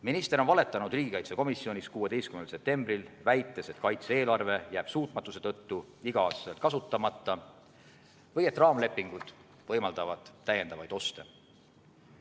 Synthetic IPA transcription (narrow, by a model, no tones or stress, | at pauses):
minist̪e̞ɾo̞nvɑle̞t̪ːˑɑnud̪̥riːɡikɑjt̪se̞ko̞misːio̞nʲiskuːe̞d̪e̞jst̪kymnelse̞p̚t̪e̞mbrilvæjt̪ːˑe̞se̞t̪kɑjt̪see̞ːlɑrve̞jæːb̥suːt̪ˑmɑt̪ːˑuse̞̥t̪ɤ̞t̪ːu | iɡ̥ɑɑːst̪ɑselt̪̚kɑsut̪ːˑɑmɑt̪ːˑɑ | vɤje̞t̪rɑːmle̞pːˑiŋɡ̥ud̪̥ | vɤjmɑld̪̥ɑvɑd̪̥ːæje̞nd̪ɑvɑjd̪̥o̞st̪e